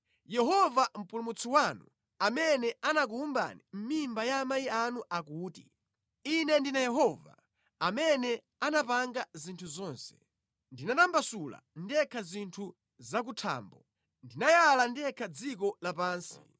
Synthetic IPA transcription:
jɛɦɔvam̩pulumut͡sʰiwanu | amɛnɛanak̬uumba̰nim̩mimbajaːmajianuʔakuːtḭ | inɛndinajɛɦɔva̰ | amɛnɛ | anapaŋɡazintʰuzɔːnsɛ̥̰ | ndinatambasula̰ndiɛkʰazintʰu | zak̬utʰa̰ːmbɔ | ndinajalandiɛkʰad͡zikɔlapaːnsi̥

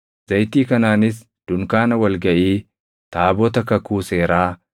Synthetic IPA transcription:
z̥ɐjt̪iːkɐnaːnɪs | d̪̥ʊŋkaːnɐwɐlɡɐʔiː | t̪aːbɔt̪ɐkɐkuːseːɾaː

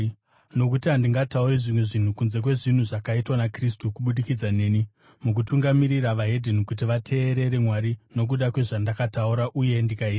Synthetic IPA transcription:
no̞kutiɦandiŋɡatauɾiʐimwe̞ʐin̤ukunze̞k̬we̞ʐin̤uʐakaitwanakristukuɓuɗikid͡zane̞ːni | muk̬utuŋɡamiɾiɾaʋaɦe̞dʱenikut̬iʋatʰe̞ːɾe̞ɾe̞mwaɾino̞k̬uɗakwe̞ʐandakatauɾaʔuje̞ndikaia

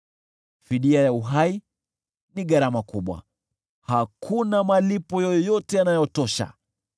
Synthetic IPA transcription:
fiɗiajauɦai | niɠaɾamakuɓwa̰ | hakʰunamalipɔjɔjɔtɛanajɔtɔʃa̰

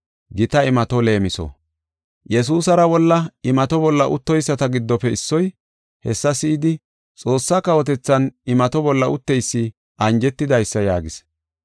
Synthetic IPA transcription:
ɡɪt̪ɐɪmɐt̪ɔle̞ːmɪsɔ̰ | jɛs̬uːsɐɾɐwɔlːɐɪmɐt̪ɔbɔlːɐʔʊt̪ːɔjsːɐt̪ɐɡɪd̪ːɔpɛɪsːɔj | hɛsːɐsɪɪd̪ɪ | t͡sʼo̞ːsːakɐwɔt̪ɛt͡sːɐnɪmɐt̪ɔbɔlːɐʔʊt̪ːɛjsːɪ | ɐnd͡ʒɛt̪ːɪd̪ɐjsːɐjaːɡɪs

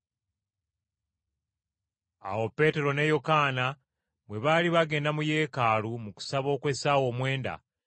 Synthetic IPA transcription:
a̰wo̞pːe̞ːte̞ɾo̞ne̞jo̞kaːna | βwe̞βaːliβaɡe̞ːndamuje̞ːkaːlumuku̥saβo̞ːkwe̞sawo̞ːmwe̞ːnda̰

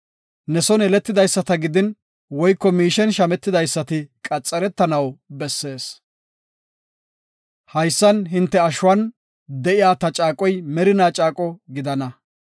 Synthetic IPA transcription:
nɛsɔnɛlɛt̪ːɪd̪ɐjsːɐt̪ɐɡɪd̪ɪn | wɔjkːɔmiːʃɛnʃɐmɛt̪ːɪd̪ɐjsːɐt̪ɪkʼɐt͡sʼːɐɾɛt̪ːɐnɐwbɛsːe̞ːs | hɐjsːɐnɦɪnt̪ːɛɐʃʊwɐn | d̪ɛʔɪjaːt̪ɐt͡ʃʼaːkʼɔjmɛɾɪnaːt͡ʃʼaːkʼɔɡɪd̪ɐnɐ

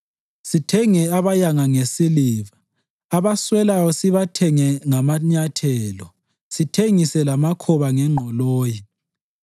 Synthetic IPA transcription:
sitʰɛŋɛaβajaŋaŋesiliβaː | βaswɛlajɔsiβatʰɛŋɛŋamaɲatʰɛːlɔ | sitʰeŋisɛlamakʰɔβaŋɛŋ͡ǃʱɔloːji

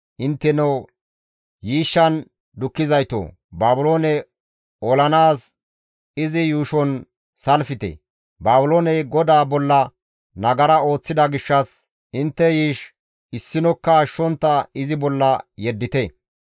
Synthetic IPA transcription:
ʔɪnt̪ːɛnɛw | jiːʃːɐn | d̪ʊkːɪzɐjt̪o̰ː | baːbʊlo̞ːnɛ | ɔlɐnaːs | ɪzɪjuːʃɔn | sɐlfɪt̪ɛ̰ | baːbʊloːnɛɡɔd̪aːbɔlːɐ | nɐɡɐɾɐo̞ːt͡sːɪd̪ɐɡɪʃːɐs | ɪnt̪ːɛjiːʃ | ɪsːɪnɔkːɐʃːɔnt̪ːɐɪzɪbɔlːɐjɛd̪ːɪt̪ɛ

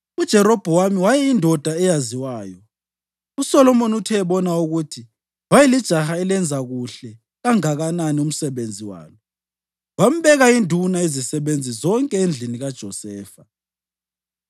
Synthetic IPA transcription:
ud̥ʒ̥ʱɛɾɔb̥ʱɔwamiwajɛindʱɔd̥ʱaɛjaziwaːjɔ | usɔlɔmonutʰɛːβɔnauɣutʰi | wajɛlid̥ʒ̥ʱaxaɛlɛnd͡zʱaɣuɬɛ | ɣaŋaɣananium̩sɛβend͡zʱiwa̰ːnɔ | wam̩βɛɣaindʱunaezisɛβend͡zʱizɔŋkʼɛend͡ɮʱiniɣad̥ʒ̥ʱɔsɛːfa

